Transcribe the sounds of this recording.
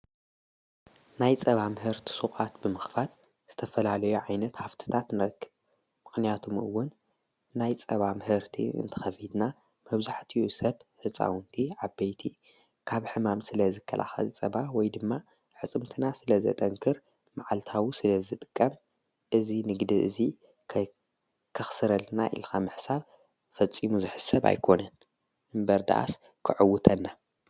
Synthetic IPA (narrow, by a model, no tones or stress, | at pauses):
najt͡sʼɐβamhɨɾt̪ʰi̥sukʼat̪bɨmɨxfat̪ | z̥ɨt̪ʰɐfɐlalɐjuʕajnɐt̪haft̪ʰɨ̥t̪ʰat̪nɨɾɐkʰːɨβ | mɨxnijat̪ʰomɨ̰wːʊn | najt͡sʼɐβamhɨɾt̪ʰḭɨ̰nt̪ʰɐ̥xɐfid̪na | mɐβzaħt̪ʰiusɐβħɨt͡sʼa̰wnt̪ʰiʕabːejt̪ʰi | kʰaβħɨmamsɨlɐzɨkʰːɐ̰lʔa̰xɐ̰lt͡sʼɐβawɔjd̪ɨmːa | ħɨt͡sʼɨmt̪ʰɨnasɨlɐzɐ̰t̪ʼɐŋkʰɨɾ | maʕalt̪ʰawusɨlɐzɨt̪ʼɨ̥kʼːɐm | ʔɨzinɨɡd̪iʔɨ̰zi | kʰ | kʰɨxsɨɾɐlna̰ʔḭlxamɨħsaβ | fɐt͡sʼimuzɨħɨsɐβa̰jkʰo̞nɐn | ʔɨmbɐɾd̪a̰ʔa̰s | kʰɨʕɨwːʊt̪ʰɐnːa